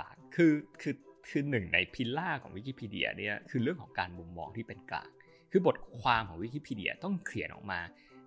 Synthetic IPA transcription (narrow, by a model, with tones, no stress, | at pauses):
aː˨˩kʰːɯː˧kʰɯː˧kʰɯː˧nɯ˨˩ŋna˧jpʰi˧laː˥˩kʰɔ̰ː˩˦ŋwi˦˥kiː˧˥pʰiː˧dḭ˧˩ɐ̰˧ni˦˥˩ɐkʰɯː˧ɾɯ˥˩əŋkʰɔː˩˦ŋkaː˧nmu˧mːɔ̰ː˧ŋt̪ʰiː˥˩pe˧nkla̰ː˨˩ŋ̚ | kʰɯː˧bo˨˩t̪̚kʰwaː˧mkʰɔː˩˦ŋwi˦˥kiː˧˥pʰiː˧di˧ɐ̰˧t̪ɔ˥˩ŋkʰli˨˩˦ənʔɔ̰˨˩k̚maː˧